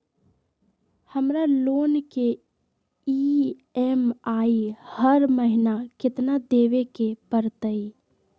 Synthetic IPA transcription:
həmɾaloːnke | i | ɛmaːihəɾməɦɪnakɪt̪nad̪eːʋekepəɾt̪əi

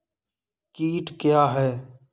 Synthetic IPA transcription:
kiːʈkɪjaːɦɛː

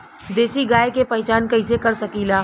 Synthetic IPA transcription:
d̪eːʃiɡaːekepɐɦɛt͡ʃaːnkɐɪsekɐɾsɐkilaː

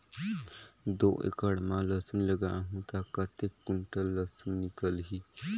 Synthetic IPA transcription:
d̪oʔḛkəɽmãləsunləɡãɦũt̪akət̪ekːuɳʈəlːəsunnikəlɦi

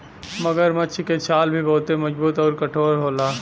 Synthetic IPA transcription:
mɐɡəɾmɐt͡ʃʰiket͡ʃʰaːlbʱiboːt̪emɐd͡ʒbuːt̪ɔːɾkɐʈʰoːɾɦoːlaː

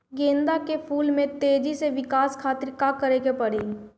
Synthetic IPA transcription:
ɡẽːnd̪akepʰuːlmẽt̪eːd͡ʒiseʋɪkaːskʰaːt̪ɪɾkakəɾeɡepɐɽeː

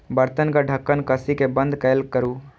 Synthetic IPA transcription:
bɐɾt̪ənkaɖʱɐkːənkɐsikebɐ̃nd̪kɐjlkəɾuː

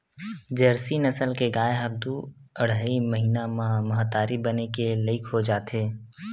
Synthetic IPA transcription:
d͡ʒɐɾsinɐsəlkeɡaːeɦɐb̚d̪u | ɐɽ̤aimɐɦiːnamɐɦat̪aːɾibɐnekelɪɪkʰɦod͡ʒaːt̪eː

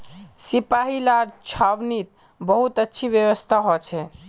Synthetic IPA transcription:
sipaɦilaɾt͡ʃʰaʋnit̪̚ | bəɦut̪ətːʃʰiʋjəʋəst̪ʰaɦɔt͡ʃʰɛ

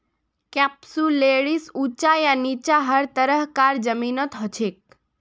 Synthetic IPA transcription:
kɛpsuleɽisut͡ʃajanit͡ʃaɦəɾt̪əɾəɦkaɾd͡ʒəminɔt̪ɦɔt͡ʃʰek̚

